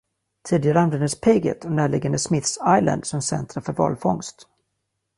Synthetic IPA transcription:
t̪ʰiːd̪ɪɡaɾəanvɛnd̪əspʰeɡə̰t̪ʰɔmnæːɭɪɡand̪əsmɪθsajla̰nd̪sɔmsɛ̰nt̪ɾaɾfœɾvɑ̰ːlfɔŋst̪

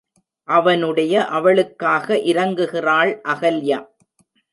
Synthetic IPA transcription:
ʔɐʋɐnɯɽɐjɐʔɐʋɐɭɯkːaːɣɐʔɪɾɐŋɡɯɣɪraːɭʔɐɣɐljaː

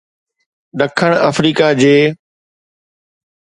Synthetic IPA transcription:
ɗəkʰəɽ̃əfɾiːkad͡ʑeː

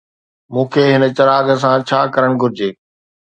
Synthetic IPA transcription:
mũːkʰeːɦɪnə̆t͡ɕɐɾaːɡəs̬ãt͡ɕʰaːkɐɾəɽ̃ɡʱʊɾɪd͡ʑeː

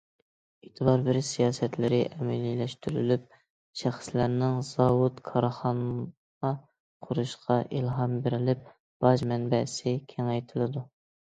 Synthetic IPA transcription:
et̪ʰɨbɑɾbɪɾsijɑːsɛt̪lɪɾɪʔɛmɛlilɛʃt̪yɾylyp̚ | ʃæχslæɾnɪŋz̥ɑwut̪kʰɑɾχɑn | ʁɑ | qʰʊɾuʃqʰɑʔilˠɦɑmbɪɾɪlɪp̚ | b̥ɑʒmɛnbɛsɪkʲʰɛŋɛjt̪ʰɨlˠɨd̪u

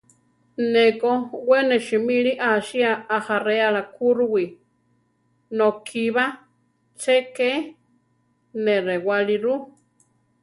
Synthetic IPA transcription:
nekoweneʃimiɺiʔaʃiaahareaɺakʰuɾuwi | nokʰiβa | t͡ʃeke | neɾewaɺiɾu

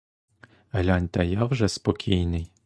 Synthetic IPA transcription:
ɐlʲɑnʲt̪ɐjɑwʒɛspɔkʲʰijnɪj

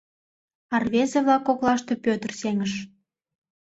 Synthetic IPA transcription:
ɑrβezeβlɑkːoklɑʃt̪epʲøt̪ərseŋəʃ

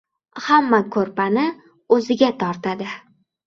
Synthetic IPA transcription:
hamːakʰɵɾpʰanɪ | ɵzɪɡʲat̪ʰɒɾt̪ʰad̪ɪ

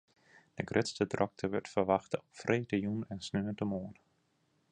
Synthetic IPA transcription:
d̥əɡrʔɪtstədrʔɔk̚tʰəʋʏɹtfərʋaχtəɔpfrʔeːdəjunɛnsnøːdəmoːn

